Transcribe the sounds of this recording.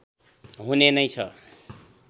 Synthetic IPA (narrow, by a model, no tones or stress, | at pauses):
ɦunenʌjt͡sʰʌ